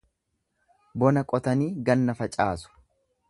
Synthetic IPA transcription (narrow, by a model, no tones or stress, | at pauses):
bɔnɐkʼɔt̪ɐniːɡɐnːɐfɐt͡ʃʼaːsʊ̥